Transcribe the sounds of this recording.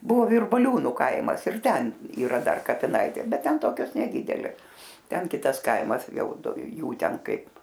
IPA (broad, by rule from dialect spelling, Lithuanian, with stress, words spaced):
ˈbʊʋoː ʋʲɪrbɐˈlʲuːnʊ ˈkɐɪmɐs ɪr ˈtʲɛn iːˈrɐ ˈdɐr kɐpʲɪˈnɐɪtʲeː ˈbʲɛt ˈtʲɛn ˈtoːkʲoːs nʲɛˈdʲiːdʲɛlʲeːs ˈtʲɛn ˈkʲɪtɐs ˈkɐɪmɐs ˈjɛʊ ˈdʊ ˈjuː ˈtʲɛn ˈkɐɪp